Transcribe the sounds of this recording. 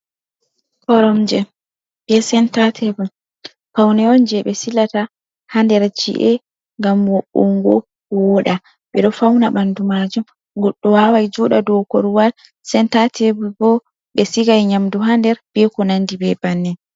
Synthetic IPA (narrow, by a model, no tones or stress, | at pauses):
kɔɾɔmd͡ʒɛ | b̥ɛsɛntatʰɛbum | fawnɛɔnd͡ʒɛɓɛsilata | handɛɾd͡ʒḭʔɛ | ŋɡamwɔɓuŋɡɔ | wɔɗa | ɓɛɗɔfawnaɓandumad͡ʒum | ɡɔɗːɔwawajd͡ʒuɗadɔwkɔɾuwal | sɛntatʰɛbubɔ | ɓɛsiɡajɲamduɦandɛɾb̥ɛkɔnandibɛbanːɛ